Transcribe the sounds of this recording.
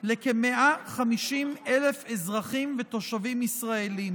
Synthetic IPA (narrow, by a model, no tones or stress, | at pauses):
lekemeʔaχamiʃimele̞fezʁaχimve̞t̪o̞ʃavimisʁaelim